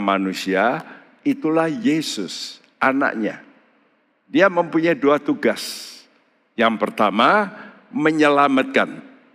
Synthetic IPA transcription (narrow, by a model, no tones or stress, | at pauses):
manusia | it̪ulahjesʊs | ʔana̰ʔɲa̰ | diaməmpuɲajduat̪uɡas | jaŋpərt̪ama | məɲəlamat̪̚kan